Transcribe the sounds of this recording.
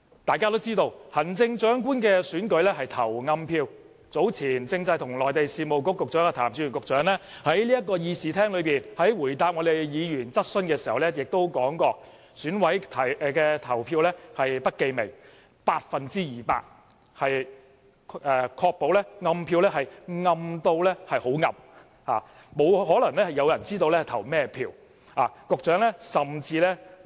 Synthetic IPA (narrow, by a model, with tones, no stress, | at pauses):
t̪aː˨jkaː˥t̪o˥wt͡siː˥t̪o˧whɐ˨˩nt͡sɪ˧ŋt͡ʃœː˨˥ŋkʷuː˥nkɛː˧syː˨˥nkɵ˨˥lɛː˥ɦɐ˨jt̪ʰɐ̰˨˩wŋɐ˧mpʰiː˧w | t͡so˨˥wt͡sʰiː˨˩nt͡sɪ˧ŋt͡sɐ˧jt̪ʰʊ˨˩ŋlɔː˨jt̪e˨jsiː˧mo˨wkʊ˧˥kːʊ˨k̚t͡sɔː˨˥kːɔː˧t̪ʰaː˨˩mt͡sy˨˧jy˨˩ŋkʊ˨k̚t͡ʃœː˨˥ŋlɛː˥hɐ˨˥jli˥ɐ˥tkːɔː˧jiː˨˧siː˨˧t̪ʰɛː˥ŋlɵ˨˧ɥpiː˨˩nhɐ˨˥jwuː˨˩jt̪aː˨p̚ŋɔː˨˧t̪e˨jjiː˨˧jyː˨˩nt͡sɐ˥t̚sɵ˥nkɛː˧si˨˩hɐ˨˩wlɛː˥jɪ˨k̚t̪o˥wkɔː˨˥ŋkɔː˧ | syː˨˥nwɐ˨˥jt̪ʰɐ˨jkɛː˧t̪ʰɐ˨˩wpʰiː˧wlɛː˥hɐ˨jpɐ˥t̚ke˧jme˨˩ŋ | paː˧t̚fɐ˨nt͡siː˥jiː˨˩pa̰ː˧t̚ | hɐ˨jʰ | ɛː˨kʰɔː˧k̚po˨˥wlɛː˥ŋɐ˧mpʰiː˧wlɛː˥hɐ˨jŋɐ˧mt̪o˧wlɛː˥hɐ˨jho˨˥wŋɐ̰˨m | ha̰ː˨ | mo˨˧whɔː˨˥lɐ˨˩ŋlɛː˥hɐ˨˩jɐ˨˧wjɐ˨˩nt͡siː˥t̪o˧wlɛ˥hɐ˨˩jt̪ʰɐ˨˩wmɛː˥pʰiː˧w | aː˨˩kʊ˨k̚t͡ʃœː˨˥ŋlɛː˥sɐ˨mt͡siː˧lɛː˥